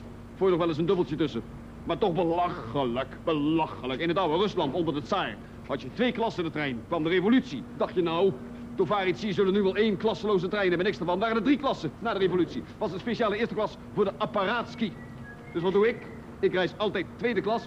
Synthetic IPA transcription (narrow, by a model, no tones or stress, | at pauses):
vʊːjnɔχʋɛlˠɪsəndɵbəlˠtjətɵsə | maːɹtɔχbəlɑχələkb̥əlɑxələkɪnɦətɔwərɵslɑntɔndəɹdətsaj | ɦɑtjətʋejklɑsəɪndətrɛjnkʋɑmdərevolytsidɑχtjənɔw | dovaːritsiəzɵlənyʋɛlˠejnklɑsəlowzətrɛjnɦɛbənɪksdəɹvɑnʋaːrənədriklɑsənaːdərevolytsi | ʋɑsəspeʃaːləɪːɹstəklɑs | vʊːɹdəʔaparaːtski | dɵsʋɑt̚duɪk | ɪkrɛjsɑlˠtɛjtːʋejdəklɑs